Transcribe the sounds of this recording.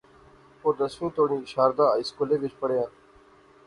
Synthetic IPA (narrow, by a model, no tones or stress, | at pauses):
poːɾd̪əsʋĩːt̪oːɳĩːɪʃaːɾd̪ãːɪskoːleːʋɪt͡ʃpəɽejãː